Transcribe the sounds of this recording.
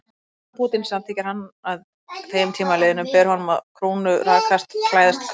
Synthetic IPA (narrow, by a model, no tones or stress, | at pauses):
pʰuːt̪ɪnsɛðanθʰeːcːaɾ̥hanːað | θʰejʏmt̪ʰiːmaleːðɪnʏmpɛɾhɔnʏmaðkʰɾoːwnʏɾaːkʰast̪kʰlaːjðast̪ʰ